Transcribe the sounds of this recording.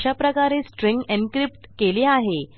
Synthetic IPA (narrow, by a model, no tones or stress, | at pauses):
ɕapɾəkaɾesʈɾeŋɡenkɾip̚ʈkeleaɦe